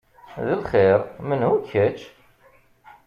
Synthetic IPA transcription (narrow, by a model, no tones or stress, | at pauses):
ðəlχɪɾmənhuçæt͡ʃː